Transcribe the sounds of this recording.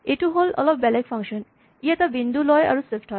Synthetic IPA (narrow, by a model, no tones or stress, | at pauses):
eʈuɦolɔ̰lɔpbɛlekfʰʌŋʃɔn | ijat̪abind̪ʱulɔja̰ɹuswefʰʈhɔj